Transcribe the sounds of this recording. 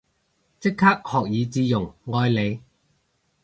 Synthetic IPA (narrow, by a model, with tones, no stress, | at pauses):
t͡sɪ˥kʰːaː˥k̚hɔː˨k̚jiː˨˧t͡siː˧jʊ˨˩ŋŋɔː˧jle˨˧j